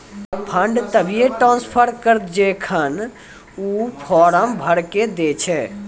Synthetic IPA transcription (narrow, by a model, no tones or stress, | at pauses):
pʰəɳɖt̪əbʱijeʈɾãːnspʰəɾkəɾd͡ʒekʰən | upʰɔɾəmbʱəɽked̪et͡ʃʰɛ